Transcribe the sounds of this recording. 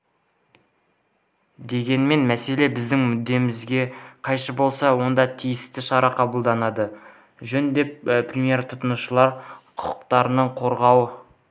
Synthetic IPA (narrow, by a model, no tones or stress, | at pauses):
d̪e̞ɡʲe̞nme̞nmæse̞le̞bɪzd̪ɪŋmʏd̪ːe̞mɪzɡʲe̞qʰɑjʃəbo̞lˠsɑwo̞nd̪ɑt̪ʰijɪst̪ɪʃɑɾɑqʰɑbəlˠd̪ɑnɑd̪ə | ʒɵnd̪e̞pprʲemije̞ɾt̪ʰʊt̪ənuʃəlˠɑɾqʰʊ̥qʊ̥qt̪ɑɾənəɴqʰo̞ɾʁɑwə